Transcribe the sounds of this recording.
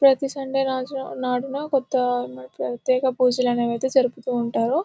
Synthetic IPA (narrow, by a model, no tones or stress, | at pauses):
pɾɐt̪isɐɳɖenaːd͡ʒnɐ̰naːɽunɐkɔt̪ːɐmɐpɾɐt̪jɛːkɐpuːd͡ʒɐlɐnɐʋɐjt̪eːd͡ʒɐɾuput̪uːɳʈaːɾu